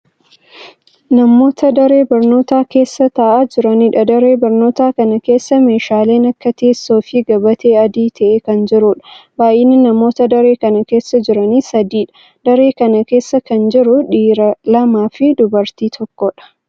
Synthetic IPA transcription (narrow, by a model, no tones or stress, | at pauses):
nɐmo̞ːt̪ɐd̪ɐɾe̞ːbɐɾno̞ːt̪aːke̞ːsːɐt̪ɐːʔaːd͡ʒɪɾɐniːᶑɐd̪ɐɾe̞ːbɐɾno̞ːt̪aːkɐnɐke̞ːsːɐme̞ːʃaːle̞ːnɐkːɐt̪eːsːoːfɪɡɐbɐt̪e̞ːɐd̪iːt̪ʰɐʔekɐnd͡ʒɪɾʊᶑɐ̥baːʔeːnːɪnɐmo̞ːt̪ɐd̪ɐɾe̞ːkɐnɐke̞ːsːɐd͡ʒɪɾɐnisɐd̪iːᶑɐ̥ | d̪̥ɐɾe̞ːkɐnɐke̞ːsːɐkɐnd͡ʒɪɾʊᶑiːɾɐlɐmaːfɪd̪ʊbɐɾt̪iːt̪ʰɔkːɔᶑɐ̥